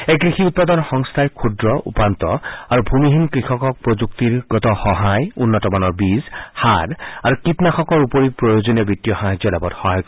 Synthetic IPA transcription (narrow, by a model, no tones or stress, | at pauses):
ekɹixiut̚pad̪ɔnɔxɔŋst̪ʰajkʰudɹɔʔṵpant̪ɔaɹubʱumiɦinkɹixɔkɔk̚pɹozuktiɹɡɔtɔxɔɦajunːɔtɔmanɔɹbizhaɹaɹukitnaxɔkɔɹupoɹipɹɔjozɔniɔbitːijɔxaɦazɔlabɔtxɔɦajkɔ